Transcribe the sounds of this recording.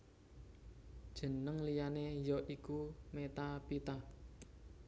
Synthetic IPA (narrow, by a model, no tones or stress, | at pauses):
d̥ʒ̥ə̤nəŋlijanejɔʔikumet̪apit̪a